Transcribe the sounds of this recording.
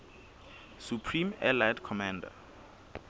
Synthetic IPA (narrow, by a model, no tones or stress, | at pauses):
supʰrĩmɛlajdkʰɔmãnda̰